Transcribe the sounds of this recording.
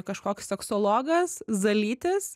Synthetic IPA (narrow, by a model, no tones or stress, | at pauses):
kɐʃkoːkʲsʲsʲɛksoːlˠoːɡɐszɐlʲiːt̪ʲɪs